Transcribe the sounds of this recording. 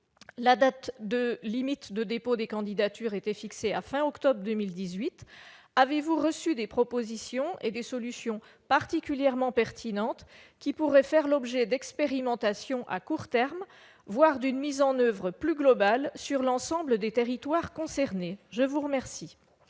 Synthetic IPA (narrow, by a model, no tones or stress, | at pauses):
lad̪at̪d̪əlimit̪d̪əd̪epod̪ekɑ̃d̪id̪at̪yʁet̪ɛfikseafɛ̃ɔkt̪ɔbʁəd̪əmild̪izɥit̪ | avevuʁəsyd̪epχɔpozisjɔ̃ed̪esɔlysjɔ̃ | paʁt̪ikʲyljɛʁmɑ̃pɛʁt̪ʰinɑ̃t̪kʲipuʁɛfɛʁlɔbʒɛd̪ɛkspeʁimɑ̃t̪asjɔ̃ʔa̰kuʁt̪ɛʁm | vwaʁd̪ynmizɑ̃nøvʁəplyɡlɔbalsyʁlɑ̃sɑ̃bləd̪et̪eʁit̪waʁkɔ̃sɛʁneʒəvuʁəmɛʁsi